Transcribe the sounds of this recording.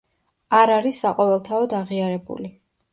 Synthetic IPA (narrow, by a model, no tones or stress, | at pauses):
aɾaɾisːaqʼɔvɛlˠt̪ʰaɔd̪aʁiaɾɛbṵli